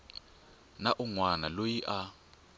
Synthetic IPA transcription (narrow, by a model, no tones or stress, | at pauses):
naʔuŋwanalojiʔa